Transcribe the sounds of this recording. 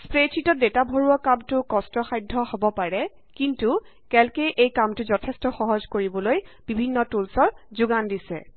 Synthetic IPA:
spɹet͡ʃʰitɔdetabʱoɹuɔkamtʊkɔstɔxajdʱɔhobɔpaɹɛ | kintu | kɛlkejʔejkamtʊzɔtʰɛstɔxɔɦɔzkoɹibɔlojb̥ibʱinːɔtulsɔɹzʊɡandisɛ̰

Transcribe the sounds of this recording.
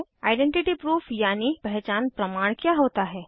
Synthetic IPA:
aːɪɖẽɳʈɪʈipɾuːfʰjaːnipɛɦt͡ʃaːnpɾɐmaːɽ̃kjaːɦoːt̪aɦɛː

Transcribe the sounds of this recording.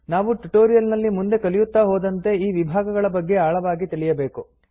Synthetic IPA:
naːʋuʈuʈoːɾijɐlnɐlːimund̪e̞kɐlijut̪ːaːɦoːd̪ɐnt̪e̞iːʋibʱaːɡɐɡɐɭɐbɐɡːe̞aːɭɐʋaːɡit̪iɭijɐbeːku

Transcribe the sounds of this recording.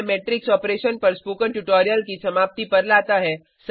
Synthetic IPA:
meːʈɾɪksɔːpɾeːʃənpɐɾspuːkənʈuʈɔːɾijəlkisɐmaːp̚t̪ipɐɾlaːt̪aɦɛ | s

